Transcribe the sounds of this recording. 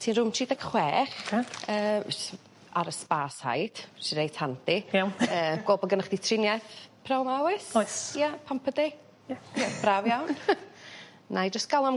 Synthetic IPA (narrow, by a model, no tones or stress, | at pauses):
tʰiːnrʊmtʰiːdaɡχwɛːχaəː | aɾəspaːsha̰jd̥ʃidejtʰandɪaəːɡ̥oːbɔɡənəχd̥itʰrɪnjɛθpʰrɛlˠmawɪsojapʰampʰəde | jab̥ravjawn | najd͡ʒəstɡ̥alˠɔm